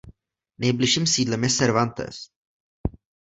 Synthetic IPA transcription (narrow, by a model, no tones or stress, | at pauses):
nɛjbliʃiːmsiːdlɛmjɛsɛɾvant̪ɛ̰s